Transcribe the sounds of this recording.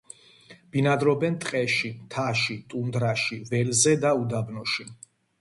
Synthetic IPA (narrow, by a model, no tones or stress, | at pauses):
b̥inad̪ɾɔbɛnt̪ʼqʼɛʃit̪ʰaʃit̪ʼund̪ɾaʃivɛlzɛd̪aud̪abnɔʃi